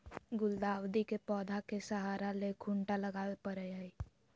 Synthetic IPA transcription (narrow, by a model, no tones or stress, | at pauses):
ɡʊld̪aːwd̪ikepɔːd̪ʱakesəɦaːɾalekʰuɳʈaləɡaːepəɾɛi